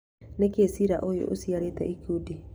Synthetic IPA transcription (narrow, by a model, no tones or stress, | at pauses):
nekeːsiɾaʔojo̰ʔosiaɾeːtɛ̰ʔikudi